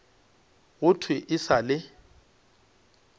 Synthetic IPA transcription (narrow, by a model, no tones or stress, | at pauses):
ɣʊtʰwɪʔɪsalɪ